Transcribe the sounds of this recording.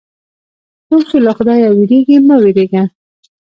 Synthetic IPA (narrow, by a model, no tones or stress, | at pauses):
t̪osolaxʊd̪ɑjawɪɾeɡimaweɾeɡa